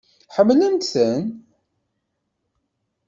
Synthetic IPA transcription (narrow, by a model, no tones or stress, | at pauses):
ħəmːlənt̪θən